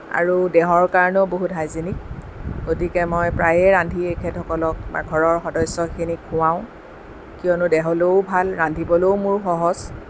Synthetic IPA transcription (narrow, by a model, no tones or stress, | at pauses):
a̰ɹudɛɦɔɹkaɹɔnoboɦutɦajzenik̚ | ɡ̥otikɛmɔjpɹajɛɹandʱiekʰɛtʰɔkɔlɔk̚ma̰ɡʱɔɹɔɹxɔdɔjsɔkʰinikʰuwãʊ̃ | kijɔnʊdɛɦɔleʊbʱalɹandʱibɔloʊmʊɹxɔɦɔz̥